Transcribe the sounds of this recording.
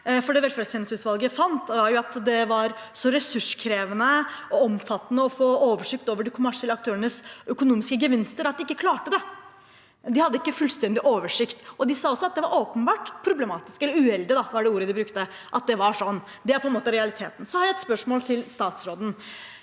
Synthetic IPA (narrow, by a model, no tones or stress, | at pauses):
fɔɖɛʋɛlføːɾsɛnɪsəʉːt̪ʋɑlˠɡəjæfɑnt̪ʋɑɾjʊɑt̪d̪ɛʋɑɾsɔɾɛsʉʂkʰɾeːʋənəɔɔmfɑt̪ːənəɔfoːoːʋəʂɪk̚t̪oːʋəɖɪkʰʊmæʂɛlːəɑk̚t̪ʰøːɾənəsœkʊnuːmɪskəɡəʋɪnst̪əɾɑt̪d̪ɪkːəkʰlɑːʈəd̪ɛ | d̪ɪhɑd̪ːəɪkːəfʉlst̪ɛnd̪ɪʔoːʋəʂɪkt̪ɔd̪ɪsɑːɔsːɔɑt̪̚d̪ɛʋɑɾoːpənbɑːʈpʰɾʊblɛmɑːt̪ɪskɛlːəɾʉɛld̪ɪd̪ɑʋɑɖɛuːɾəd̪ɪbɾʉkt̪ə | ʔɑt̪̚d̪ɛʋɑʂɔnː | d̪ɛæɾpɔɛnoːt̪əɾɛɑlɪt̪ʰeːt̪n̩sɔhɑɾjæɛt̪spœʂmoːlt̪ʰɪlst̪ɑːt̪sɾoːd̪n̩